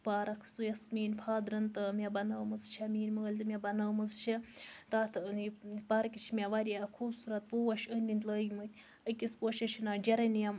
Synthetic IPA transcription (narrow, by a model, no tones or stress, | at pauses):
paːɾɐkʰsujɐsmʲiːnʲpʰaːd̪ɾɐnt̪ɨmʲɛbɐnəːmɨzt͡ʃʰamʲiːnmɨɡɐlʲt̪ɨmʲɛbɐnɐːmɨzt͡ʃʰit̪aːt̪ʰnipɐɾkʲit͡ʃʰimʲeʋɐɾʲiakʰuːbsuɾɐt̪̚poːwɐʃənʲd̪ʲint̪ləːjmɨt̪ʲ | ɐkʲispoːʃɐt͡ʃʰinaːd͡ʒɐɾɐnijɐm